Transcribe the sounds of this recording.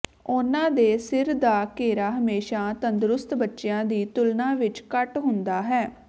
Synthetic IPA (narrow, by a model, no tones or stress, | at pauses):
ʊnãːd̪eːsɪɾd̪aːkeːɾaːɦəmeːʃaːt̪ənd̪ɾʊst̪bətːʃejãːd̪iːt̪ʊlnãːʋɪt͡ʃkəʈɦʊnd̪aːɦɛː